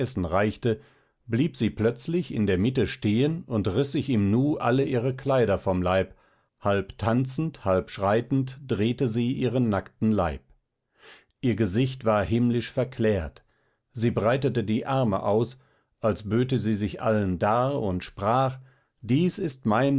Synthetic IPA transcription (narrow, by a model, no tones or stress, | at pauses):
ɛsn̩ʁaɪçtə | bliːpz̥iːplœt͡slɪçɪ̰ndeːɐmɪtəʃteːənʊntʁɪsz̥ɪçiːmnuːʔa̰ləʔiːʁəkʰl̥aɪɾɐfɔmlaɪp | halptʰant͡sn̩thalpʃʁ̥aɪtn̩td̥ʁeːtəziːʔiːʁənːaktn̩laɪp | ʔiːɐɡəzɪçtv̥aːɐhɪmlɪʃfɛɐkʰl̥ɛːɐt | ziːbʁaɪtətədiːʔaɐmə̰ʔaʊs | ʔalsb̥øːtəziːzɪçʔa̰ləndaːɐʊntʃpʁ̥aːχ | d̥iːsɪstmaɪn